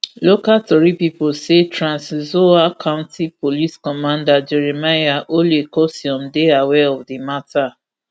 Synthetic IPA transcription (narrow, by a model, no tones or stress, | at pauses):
lokatɔɹipiposetɹãnszoakʰãʊ̃ntipoliskɔmãndad͡ʒɛɹemajaʔolekɔsiɔ̃mdeawɛɔfdimata